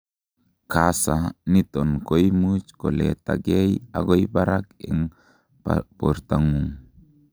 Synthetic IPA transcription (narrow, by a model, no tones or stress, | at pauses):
kasanit̪ɔnkojmut͡ʃkolɛ̰t̪a̰ɡeja̰ɡojbaɾakɛŋ | poɾt̪aŋuŋ